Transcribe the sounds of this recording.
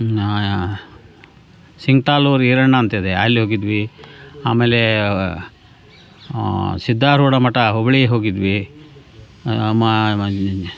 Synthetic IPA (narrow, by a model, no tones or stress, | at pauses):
siŋɡ̚ʈaːluːɾiɾɐɳːɐːnt̪id̪ea̰ːlːiɦoːɡid̪ʋiaːmeːle | sid̪ʱːaːɾuːɽɐmɐʈɐɦobɐɭieɦoːɡid̪ʋi | m